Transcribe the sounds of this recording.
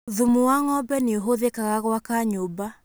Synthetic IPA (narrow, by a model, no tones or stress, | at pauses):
ðumuwaŋɔbɛneoɦoðekaɣaɣwakaɲoba